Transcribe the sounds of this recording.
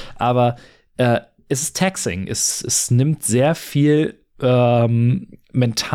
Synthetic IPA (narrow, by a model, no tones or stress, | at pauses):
ʔaːβɐ | ʔɛː | ʔɛs̬ɪstʰɛksɪ̰ŋʔɛ̰sɛsnɪmtz̥eːɐfiːl | ʔɛːmmɛntʰa